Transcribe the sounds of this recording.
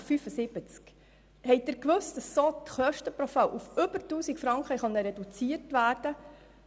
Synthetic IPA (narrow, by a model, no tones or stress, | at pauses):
fyfəsɪb̥ət͡sk | hɛɪj̚dɪɾkʋɵst̚d̥ɑsːoːt̪χœʃtəpɾɔfalʔufʏbəɾtuːsikfɾɑŋkχəχɑnəɾɛdut͡siəɾtʋæːɾd̥ə